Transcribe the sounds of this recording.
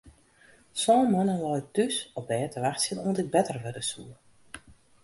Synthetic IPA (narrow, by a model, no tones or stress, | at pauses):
sɔːmənəlɔjtysɔpbɛːtʰəʋaxtsənuəntɪɡ̚bɛtərʋødəsuə